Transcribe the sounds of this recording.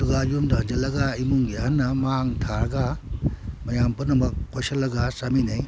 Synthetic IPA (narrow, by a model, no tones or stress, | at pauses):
ɐduɡɐjumdɐhɐnd͡ʒɐlːɐɡaimuŋɡihɐnːɐmaŋtʰaɾɐɡa | mɐjampunɐmɐkkojsɐlːɐɡasaminɐj